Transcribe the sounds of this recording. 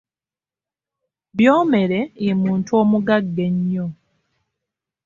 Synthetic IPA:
βjoːme̞ɾeimuːntuoːmuɡaɡːeɲːo

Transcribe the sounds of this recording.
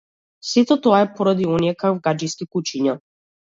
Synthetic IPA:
sit̪ɔt̪ɔaɛpɔɾad̪iɔniɛkakvɡad͡ʒijskikut͡ʃiɲa

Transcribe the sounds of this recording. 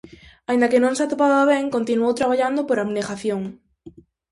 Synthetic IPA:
aĩnd̪akenõŋsat̪opaðaaβɛŋkont̪inuowt̪ɾaβ̞aʎand̪opoɾaβneɣaθjoŋ

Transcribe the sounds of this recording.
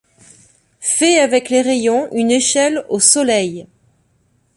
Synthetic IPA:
fɛavɛkleʁejɔ̃ʔyneʃɛlosɔlɛj

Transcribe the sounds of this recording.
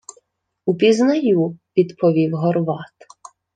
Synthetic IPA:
upʲiznɐjuʋʲid̪pʰɔʋʲiwɦɔrʋɑt̪

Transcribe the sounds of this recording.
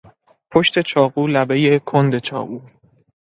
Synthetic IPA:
pʰoʃt̪e̞t͡ʃʰɒːɣuːlæbe̞je̞kʰond̪e̞t͡ʃʰɒ̰ːɣuː

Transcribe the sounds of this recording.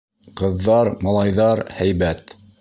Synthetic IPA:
qɤ̆ðːɑɾmɑlˠɑjðɑɾhæjβæt̪

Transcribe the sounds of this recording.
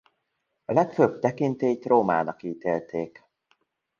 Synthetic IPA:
ɒlɛkføb̚t̪ɛkint̪eːt̪roːma̰ːnɒkiːt̪eːlt̪ʰeːk

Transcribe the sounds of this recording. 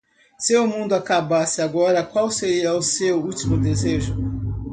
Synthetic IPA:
sɪʊmũnd̪ʊakabasɪaɡɔɾɐkwawseɾiɐʊsewut͡ʃimʊd̪ezeʒʊ

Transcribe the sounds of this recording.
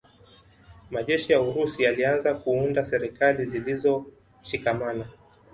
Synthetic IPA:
maʄɛʃijauɾusialianzakuundasɛɾikalizilizɔ | ʃikamana

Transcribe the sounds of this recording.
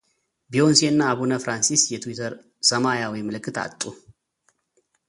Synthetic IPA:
bio̞nsenːaːβunəfɾansisjɛt̪ʰwit̪ʰəɾ | səmajawɔjmɨlɨkʼːɨt̪ʰa̰t̪ʼːu

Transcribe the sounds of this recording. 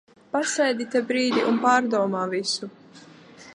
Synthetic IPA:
pasɛjd̪ʲit̪ɛbɾiːd̪ʲiʔunpaːɾd̪uɔmaːvisu

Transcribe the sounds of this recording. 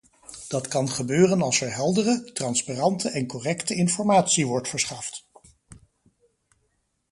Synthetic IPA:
d̥ɑtkɑnχəbøːrənɑlˠsɛɹɦɛlˠdərətrɑnspaːrɑntəʔɛnkɔrɛktəɪnfɔɹmaːtsiʋɔɹtfəɹsχɑft

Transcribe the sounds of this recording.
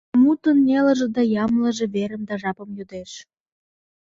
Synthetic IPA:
mut̪ənːʲelə̆ʒĕd̪ɑjɑmlə̆ʒĕβeɾə̆md̪ɑʒɑpə̆mjud̪eʃ

